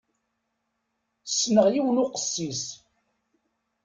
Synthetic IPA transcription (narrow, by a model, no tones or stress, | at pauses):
sːnəʁjiwənʊqə̥sːis